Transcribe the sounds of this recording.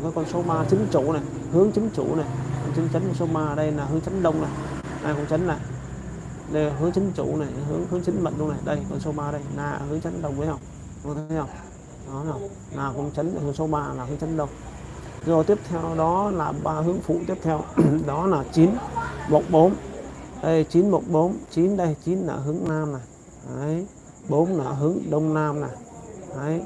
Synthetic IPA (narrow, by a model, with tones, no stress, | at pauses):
kaː˨˦jkɔ˧nso˨˦ɓaː˧t͡ɕï˨˦ŋt͡ɕu˧˩˨na˨˩j | hɨ˨˦əŋt͡ɕï˨˦ŋ̟t͡ɕṵ˧˩na˨˩jkɔ˧t͡ɕə˨˦nt͡ɕə˨˦n˨˧˩so˨˦ɓaː˧ə˨˩ɗə˧jnaː˨˩ɦɨ˨˦əŋt͡ɕə˨˦nɗə˧wŋ͡mna˨˩j | na̰ː˨˩kʊ̰˧˨ŋ͡mt͡ɕə˨˦nna˨˩j | ɗe˨˧˩ɦɨ˨˦əŋt͡ɕï˨˦ŋ̟t͡ɕṵ˧˩˨na˨˩jɦɨ˨˦əŋhɨ˨˦ŋt͡ɕi˨˦ŋ̟ɓə̰˧˨nɗə˧wna˨˩jɗə˧jkɔ˧nso˨˦ɓaː˧˨ɗə˧jnaː˨˩hɨ˨˦əŋt͡ɕə˨˦nɗə˧˩wŋ͡m̪ə˨˦jɦə˧wŋ͡m | ʊ˧˨˩t̪ʰə˧wŋ͡m | ɗɔ˨˦naː˨˩w | naː˨˩kʊ̰˨˦əŋt͡ɕə˨˦ŋ˨həŋso˨˦ɓaː˧naː˨˩hɨ˨˦ŋt͡ɕə˨˦nɗə˧wŋ͡m | zo˨˩t̪i˦˥əp̚t̪ʰɛ˧wɗɔ˨˦laː˨˩ɓaː˧ɦɨ˨˦əŋfṵ˧˨t̪i˦˥əp̚t̪ʰɛ˧wɗɔ˨˦laː˨˩t͡ɕi˨˦nmo˨˩t̚ɓo˨˦nʔə˧˩jt͡ɕi˨˦nmo˨˩t̚ɓo˨˦nt͡ɕi˨˦nɗə˧jt͡ɕi˨˦nːa̰ː˨˩ɦɨ˨˦əŋnaː˧mnaː˨˩j | ə˨˦j | ɓo˨˦nnaː˨˩ɦɨ˨˦əŋɗə˧wŋ͡mnaː˧mna˨˩hə˨˦j